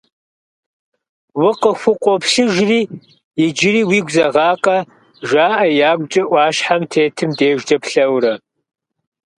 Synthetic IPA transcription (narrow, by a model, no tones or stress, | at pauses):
wʊqəxʷʊqʷʼɔpɬɨʒriː | jɪd͡ʒɪriːwiːɡʷzɐʁɑːqʼɐ | ʒaːʔɐjaːɡʷt͡ʃʼɐʔʷɑːʃħamtʰeːtʰɨmdeːʒdɐpɬɐwɾɐ